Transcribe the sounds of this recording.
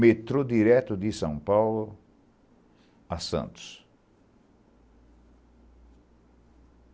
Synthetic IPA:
met̪ɾod̪iɾɛt̪ʊd̪ɪsɐ̃w̃pawlʊ | ɐsɐ̰̃nt̪ʊ̥s

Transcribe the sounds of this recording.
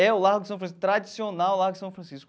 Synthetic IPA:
ɛʊlaɾɡʊdɪsɐ̃w̃fɾɐ̃sit̪ɾad͡ʒisionawlaɾɡʊɪsɐ̃w̃fɾɐ̃sisk

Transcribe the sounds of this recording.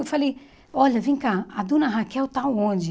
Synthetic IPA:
wfalej | ɔʎɐvĩkaad̪ũnɐɦakɛwt̪aõd͡ʒɪ

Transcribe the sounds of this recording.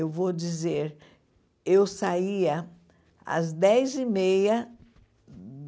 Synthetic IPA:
ewvod͡ʒizeɾ | ewsaiɐ | ɐ̰zd̪ɛjzimejɐ

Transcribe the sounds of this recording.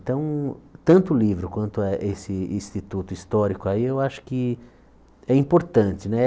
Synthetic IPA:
t̪ɐ̃w̃t̪ɐ̃nt̪ʊlivɾʊkwɐ̃nt̪ʊaʔesɪĩst̪it̪ut̪ʊist̪ɔɾikʊaiewaʃʊ̥kɪ | ɛĩpoɾt̪ɐ̃t͡ʃɪnɛ

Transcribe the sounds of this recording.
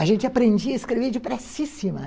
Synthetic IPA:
aʒẽnt͡ʃɪapɾẽnd͡ʒiɐiskɾeved͡ʒɪpɾɛsisimɐ

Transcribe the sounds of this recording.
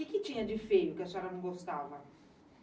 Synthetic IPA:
ɪkɪt͡ʃĩɲɐd͡ʒɪfejʊkɪasaɾɐnɐ̃w̃ɡost̪avɐ

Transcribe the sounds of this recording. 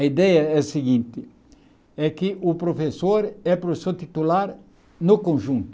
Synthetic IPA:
ɐid̪ɛjɐɛsɪɡĩnt̪ɪ | ɛkɪʔʊpɾofesoɾɛpɾoesoɾt̪it̪ulaɾ | nʊkõnʒũnt̪

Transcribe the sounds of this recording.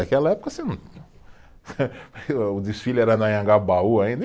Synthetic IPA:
akɛlɐɛpʊ̥kɐsĩ | ʊd̪isfilʊɛɾɐnɐjɐ̃ŋɡabauaĩd̪

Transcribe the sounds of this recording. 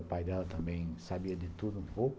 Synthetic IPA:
ʊpajd̪ɛlɐt̪ɐ̃mbẽj̃sabiɐd̪ɪt̪ud̪ʊũpowk

